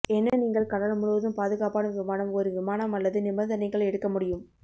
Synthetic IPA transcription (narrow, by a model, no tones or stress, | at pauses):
ɛnːɐniːŋɡɐɭkɐɽɐɾɐmʊɻɯʋɐðɯmpaːðɯɣaːpaːnɯʋɪmaːnɐmɔɾɯʋɪmaːnɐmɐlːɐðɯnɪmɐnd̪ɐniŋɡɐɭɛɽɯkːɐmʊɽɪjɯm